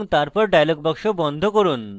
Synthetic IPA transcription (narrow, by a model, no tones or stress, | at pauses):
ŋt̪aɾpɔɾɖajlɔɡbɔkʂobɔnd̪ʱokoɾuːn